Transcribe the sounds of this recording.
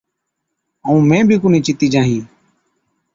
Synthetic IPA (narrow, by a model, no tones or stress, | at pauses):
əũːmẽːbʱiːkʊniːt͡ʃɪt̪iːd͡ʒãːɦĩː